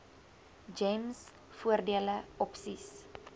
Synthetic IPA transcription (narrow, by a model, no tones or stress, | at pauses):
d͡ʒɛjms | fuərdiələɔpsis